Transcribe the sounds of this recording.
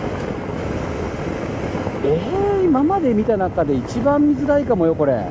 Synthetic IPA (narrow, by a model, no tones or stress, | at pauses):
eimamad̪e̞mʲit̪anakad̪e̞it͡ɕibãmːʲizɨɾaikamo̞jo̞ko̞ɾe̞̰